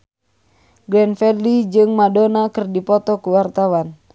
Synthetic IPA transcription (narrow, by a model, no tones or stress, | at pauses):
ɡɾɛnfɛdlid͡ʒɨŋmadɔnakɨrdipɔt̪ɔkuwart̪awan